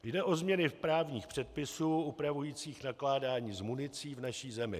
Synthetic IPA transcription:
jdɛʔo̞zmɲɛnɪpɾaːvɲiːxpr̝̥ɛt̪̚pɪsuːʔupɾavujiːt͡siːxnaklaːdaːɲiːzmunɪt͡siːvnaʃiːzɛmɪ̰

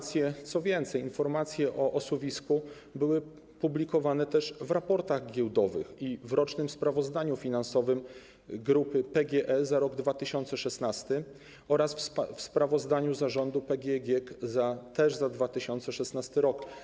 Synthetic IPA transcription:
t̪sʲjɛt̪sɔvʲjɛnt̪sɛjinfɔɾmat̪sʲjɛʔɔʔɔsuvʲisku | bɘwɘ | publʲikɔvanɛt̪ɛʂvɾapɔɾt̪aɣɡʲjɛwd̪ɔvɘ̰xivɾɔt͡ʂnɘmspɾavɔzd̪aɲufʲinansɔvɘm | ɡɾupɘpɛɡʲɛʔɛzaɾɔɡd̪vat̪ɘɕɔnt̪sɛʂɛsnast̪ɘ | ɔɾasffspɾavɔzd̪aɲuzaʐɔnd̪upɛɡʲjɛɡʲɛkzat̪ɛʐzad̪vat̪ɘɕɔnt̪sɛʂɛsnast̪ɘɾɔk

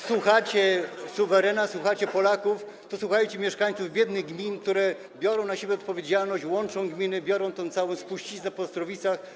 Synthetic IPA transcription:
swuxat͡ɕɛsuvɛɾɛnaswuxat͡ɕɛpɔlakuf | t̪ɔswuxajt͡ɕɛmʲjɛʂkaɲ̃ʲt̪suvbʲjɛd̪nɘɣɡmʲink̚t̪uɾɛ | bʲjɔɾɔ̃w̃naɕebʲjɛɔt̪pɔvʲjed͡ʑalnɔɕt͡ɕwɔnt͡ʂɔ̃w̃ɡmʲinɘbʲjɔɾɔ̃w̃t̪ɛ̃w̃t̪sawɔ̃spuɕt͡ɕiznɛpɔst̪ɾɔvʲisax

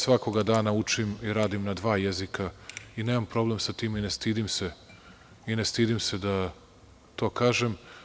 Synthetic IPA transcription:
sʋako̞ɡad̪aːnaut͡ʃimiɾaːd̪imnad̪ʋaːjezikʰaineːmampɾo̞ble̞msat̪iːminest̪iːd̪imse | inest̪iːd̪imse̞d̪a | t̪o̞ːkaːʒem

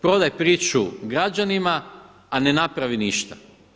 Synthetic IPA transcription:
pɾo̞d̪ajpɾiːt͡ʃuɡɾad͡ʒanimaː | ne̞napɾaʋiniʃt̪a

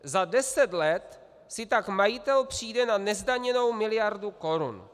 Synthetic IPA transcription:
zadɛsɛt̪lɛt̪ | sɪt̪akmajɪt̪ɛlpr̝̥iːdɛnanɛzdaɲɛno̞wmɪlɪjaɾduko̞ɾṵn

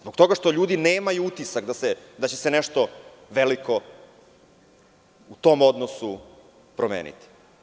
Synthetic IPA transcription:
zboɡ̚t̪o̞ɡaʂt̪o̞ʎuːd̪ineːmajuut̪isakd̪ased̪at͡ɕeseneʂt̪o̞ | ʋelikʰo̞ | ut̪o̞ːmo̞d̪nosu | pɾomḛːnḭt̪i̥

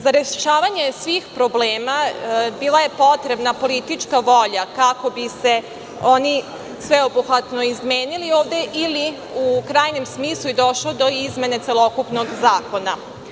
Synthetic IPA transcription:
zaɾe̞ʃaːʋaɲe̞sʋiːxpɾo̞ble̞ːmabiːlˠaje̞po̞t̪ɾe̞bnapo̞lit̪it͡ʃkaʋo̞ʎakako̞bise̞ | o̞ni | sʋe̞obuxʋat̪no̞izme̞ːnilio̞ːʋd̪e̞ʔili | ukɾaːjnemsmiːslˠujed̪o̞ʃlod̪o̞izme̞ne̞t̪se̞lˠo̞kupno̞ɡzaːko̞na

